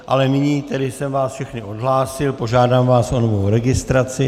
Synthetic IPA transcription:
ʔa̰lɛmɪɲiːt̪ɛdɪsɛmvaːsfʃɛxnɪʔo̞dɦlaːsɪlpo̞ʒaːdaːmvaːsʔonovowɾɛɡɪst̪ɾat͡sɪ

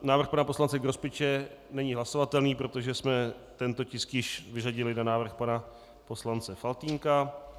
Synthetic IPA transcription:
naːvr̩xpanapo̞slant͡sɛɡɾospɪt͡ʃɛnɛɲɪɦlaso̞vat̪ɛlniːpɾo̞t̪oʒɛsmɛ | t̪ɛnt̪o̞cɪskjɪʃvɪraɟɪlɪnanaːvr̩xpana | po̞slant͡sɛfalt̪iːŋka

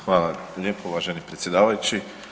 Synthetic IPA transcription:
xʋaːlˠaʎeːpouʋaːʒenipɾet̪sjed̪aːʋajut͡ɕi

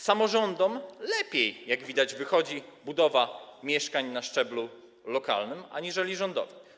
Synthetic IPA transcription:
samɔʐɔnd̪ɔmlɛpʲjejjaɡvʲid̪ad͡ʑvɘxɔd͡ʑibud̪ɔvamʲjɛʂkaɲnaʂt͡ʂɛblu | lɔka̰lnɘma̰ɲiʐɛlʲiʐɔnd̪ɔ̰vɘm

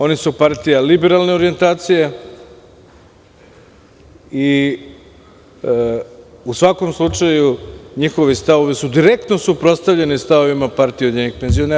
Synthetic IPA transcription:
o̞nisupaɾt̪ijalibe̞ɾalˠne̞o̞ɾije̞nt̪aːt̪sije̞ | i | usʋako̞mslˠut͡ʂajuɲixo̞ʋist̪aʋoʋesud̪iɾe̞k̚t̪no̞supɾo̞t̪st̪aʋʎenest̪aʋo̞ʋimapaɾt̪ijod̪ɲeɲixpenzio̞ne

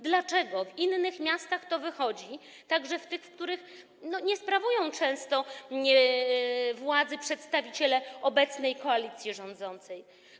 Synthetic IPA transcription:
d̪lat͡ʂɛɡɔvinːɘxmʲjast̪axt̪ɔvɘxɔd͡ʑi | t̪aɡʐɛft̪ɘxfkt̪uɾɘx | nɔɲɛspɾavujɔ̃w̃t͡ʂɛ̃w̃st̪ɔ | vwad̪zɘpʂɛt̪st̪avʲit͡ɕɛlɛɔbɛt̪snɛjkɔalʲit̪sʲjɛʐɔ̃nd̪zɔnt̪sɛj

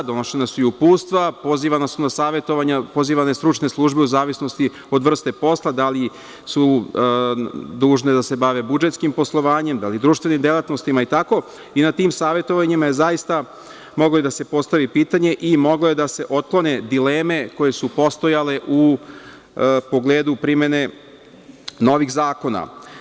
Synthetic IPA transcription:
d̪o̞no̞ʃenasuiupuːst̪ʋapo̞ziʋanasunasaːʋe̞t̪o̞ʋaɲapo̞ziːʋanest̪ɾut͡ʃne̞slˠuːʒbeuzaːʋisno̞st̪i | o̞d̪ʋr̩st̪e̞po̞slˠad̪ali | su | d̪uːʒne̞d̪ase̞baʋe̞bud͡ʒe̞t̪skimpo̞slˠo̞ʋaːɲe̞md̪alid̪ɾuːʃt̪ʋe̞nimd̪elat̪nost̪imait̪ako̞ | inat̪iːmsaːʋje̞t̪o̞ʋaɲimajezajist̪a | mo̞ɡlojed̪ase̞po̞st̪aʋipiːt̪aɲe̞ʔimo̞ɡlo̞jed̪ase̞ʔo̞t̪̚klˠo̞ne̞d̪ileːme̞ko̞je̞supo̞st̪o̞jale̞ʔu | po̞ɡleːd̪upɾime̞ne̞ | no̞ʋixzaːko̞na̰

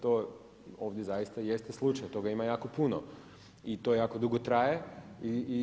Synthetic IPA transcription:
t̪o | oʋd̪ʲjezajist̪aje̞st̪eslˠut͡ʃajot̪o̞ɡaimajaːko̞puno | it̪o̞jaːko̞d̪uɡot̪ɾajei

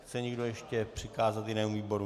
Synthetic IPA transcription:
t͡sɛɲɪɡdojɛʃcɛpr̝̥ɪkaːzat̪jɪnɛːmuviːbo̞ɾu

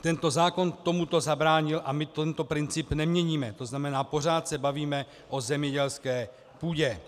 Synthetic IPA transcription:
t̪ɛnt̪o̞zaːko̞nt̪o̞mut̪o̞zabɾaːɲɪlʔamɪt̪ɛnt̪o̞pɾɪnt͡sɪpnɛmɲɛɲiːmɛt̪o̞znamɛnaːpo̞r̝aːt̪sɛbaviːmɛ | ʔo̞zɛmɲɛɟɛlskɛː | puːɟɛ

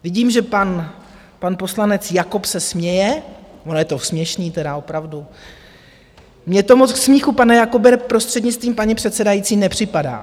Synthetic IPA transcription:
vɪɟiːmʒɛpan | panpo̞slanɛt͡sjakopsɛsmɲɛjɛ | ʔonojɛt̪o̞smɲɛʃniːt̪ɛdao̞pɾavdu | mɲɛt̪o̞mot͡sksmiːxupanɛjakobɛɾpɾo̞st̪r̥ɛdɲɪt͡st̪viːmpaɲipr̝̥ɛt̪sɛdajitt͡siːnɛpr̝̥ɪpada̰ː

